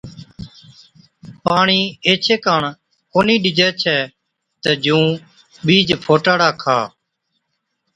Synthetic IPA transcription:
paːɳiːeːt͡ʃʰeːkaːɳ | koːniːɗɪd͡ʒɛːt͡ʃʰɛː | t̪əd͡ʒũː | ɓiːd͡ʒpʰoːʈaːɽaːkʰa̰ː

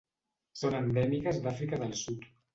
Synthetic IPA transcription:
sonənd̪ɛmikəzd̪afɾikəðəlˠsut̪

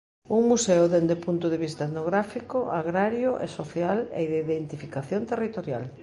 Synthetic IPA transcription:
uŋmuseʊðend̪epunt̪ʊðeβist̪aeðnoɣɾafikoʊʔaɣɾaɾjʊʔḛsoθjalḛiðeiðent̪ifikaθjõnt̪erit̪oɾjal

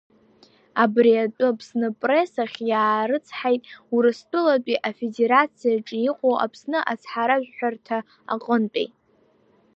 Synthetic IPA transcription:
abriatʷʼɨpʰsnɨpʼre̞saχʲjaːɾɨt͡sʰħajtʼuɾɨstʷʼɨlat͡pʷʼiʔafe̞de̞ɾat͡sʰijaʈ͡ʂʼijiqʷʼowʔa̰pʰsnɨʔat͡sʰħaɾaʒʷᶣħʷᶣartʰa | a̰qʼəntʼḛjʼ

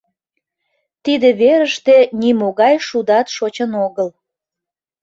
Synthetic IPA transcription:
t̪id̪eβeɾəʃt̪enimoɣɑjʃud̪ɑt̪ʃot͡ɕənoɣəl

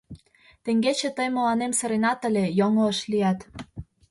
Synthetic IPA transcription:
t̪eŋɡet͡ɕĕt̪əjmə̆lɑnemsə̆ɾenɑt̪ə̆lʲejoŋoəʃliɑt̪

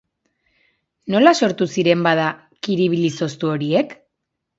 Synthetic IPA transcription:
no̞laso̞ɾt̪usiɾe̞mbaða | kiɾiβiliso̞st̪uo̞ɾie̞k

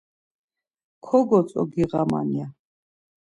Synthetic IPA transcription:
kʰɔɡɔt͡sʼɔ̰ɡiʁama̰nia

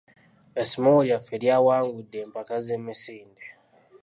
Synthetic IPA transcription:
esimowuɾjafeɾjawaːŋɡudːeːmpakazemisiːnde

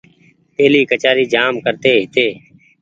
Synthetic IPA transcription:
p̪eːliːkət͡ʃaːɾiːd͡ʒaːmkəɾt̪eːɦɪt̪eː

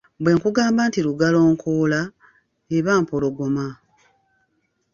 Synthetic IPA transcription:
bwe̞ːŋkuɡaːmbantiluɡalo̞ːŋkʰoːla | eβaːmpoloɡo̞ma

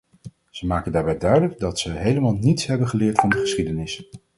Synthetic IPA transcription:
z̥əmaːkəndaːɹbɛjdœɥdələɡ̚dɑtsəɦejləmaːlˠnitsɦɛbənχəlɪːɹtfɑndəχəsχidənɪs

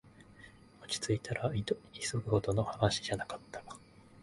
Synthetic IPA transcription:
ot͡ɕi̥t͡sɨit̪ʰaɾaisoɡɯ̟ɡot̪o̞no̞haɡaɕi̥ʑanakḁt̪ːḁɡḁ

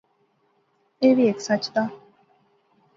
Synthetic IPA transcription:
eʋieksat͡ʃd̪a

